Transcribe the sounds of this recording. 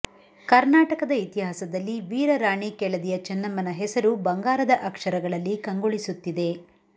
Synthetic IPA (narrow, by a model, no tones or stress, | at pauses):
kɐɾnaːʈɐkɐd̪ɐit̪iɦaːsɐd̪ɐlːiʋiːɾɐɾaːɳikɛɭɐd̪ijɐt͡ʃɐnːɐmːɐnɐɦɛsɐɾubɐŋɡaːɾɐd̪ɐʔɐkʂɐɾɐɡɐɭɐlːikɐŋɡoɭisut̪ːid̪e̞